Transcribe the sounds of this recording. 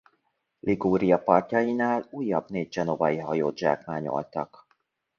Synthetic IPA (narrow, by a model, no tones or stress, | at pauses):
lʔiɡoːɾijɒpɒrcɒjinaːluːjːɒbneːɟ̚ʒɛnovɒjiɦɒjoːd̪ʒa̰ːkmaːɲo̰lt̪ɒk